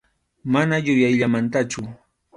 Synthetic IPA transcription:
manajʊjajʎamant̪at͡ʃʊ

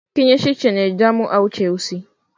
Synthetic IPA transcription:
kiɲeʃit͡ʃened͡ʒamʊʔawt͡ʃeusi

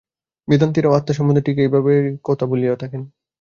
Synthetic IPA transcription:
bid̪ʱant̪iɾaat̪ːaʃɔmund̪ʱeʈikeejbʱabekot̪ʰabuliot̪ʰaken

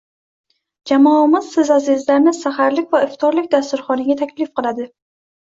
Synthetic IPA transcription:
d͡ʒamɒmɪz̥sɪzazɪzlaɾnɪsahaɾlɪkʲvaɪft̪ʰɒɾlɪkʲd̪ast̪ʊɾχɒnɪɡʲat̪ʰakʲlɪfqɨlˠad̪ɪ

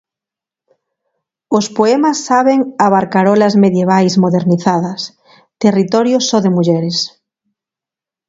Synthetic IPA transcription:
ospoɛmasːaβeŋaβaɾkaɾɔlazmeðjeβ̞ajzmoðeɾniθaðɐs | t̪erit̪ɔɾjosoðemuʎɛɾes

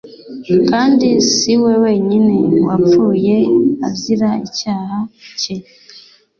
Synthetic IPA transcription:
kaːndisiwe̞we̞ɲine̞wap̪fuːjea̰vziɾaicaːhace

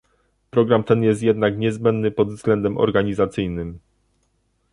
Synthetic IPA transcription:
pɾɔɡɾamt̪ɛnjɛst̪̬ʲjɛd̪nakɲɛzbɛnd̪nɘpɔd̪vzɡlɛnd̪ɛmʔɔ̰ɾɡaɲizat̪sɘjnɘm

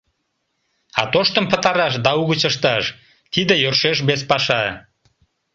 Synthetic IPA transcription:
ɑt̪oʃt̪əmpət̪ɑɾɑʃ̬d̪ɑuɣət͡ɕəʃt̪ɑʃ | t̪id̪əjørʃeʃ̬bespɑʃɑ

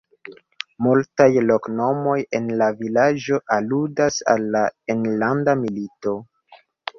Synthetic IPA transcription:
multajlo̞kno̞mo̞jenlavilad͡ʒo̞ʔaludasa̰lːaenlandamilito̞

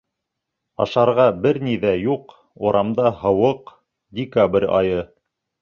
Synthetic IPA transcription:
ɑ̰ʃɑɾʁɑbɘɾniðæjuq | uɾɑmd̪ɑhɤ̆wɤq | dʲɪkabrʲɑ̰jɤ

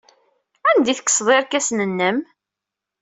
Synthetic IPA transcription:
ænd̪iθə̥kːsˤðˤeɾkæsnənːəm

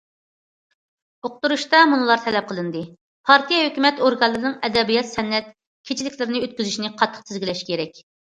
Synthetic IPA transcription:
oq̚t̪uɾuʃt̪ɑmunɨlˠɑɾt̪ʰɛlɛp̚qʰəlˠɨnd̪ɨ | pʰɑɾt̪ʰijɛhøkʲymɛt̪oɾɡɑlːɨɾɨnɨŋɛd̪ɛbijɑt̪sɛnːɛt̪̚ | kʲʰet͡ʃʰilɪkʲlɪɾɪnɪøt̪̚kʲyzyʃinɪqʰɑt̪ʰːə̥q̚sʰɪzɡʲilɛʃkʲʰeɾɛkʲ

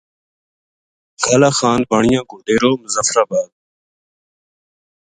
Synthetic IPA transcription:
kʰɐlaxaːn̚bɐɳijãːɡod̪eːɾoːməzɐfɾabaːd̪̚

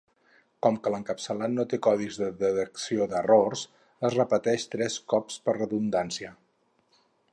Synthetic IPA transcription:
kɔmkələŋkəpsəlannot̪ekɔðizðəðət̪əksiod̪ərors | əzrəpət̪ɛʃt̪ɾɛskɔpspərrəðund̪ansiə

